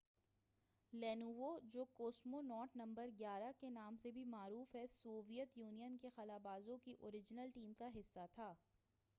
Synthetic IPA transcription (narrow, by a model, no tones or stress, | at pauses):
lɛːnuːʋod͡ʒoːkoːsmonɔːʈnɐ̃mbəɾɡjaːɾakenaːmsebʱimaːɾuːfɦɛsoːʋijət̪juːnijənkexɐlaːbaːzõkiʔoːɾɪd͡ʒnəlʈiːmkaɦɪsːat̪ʰaː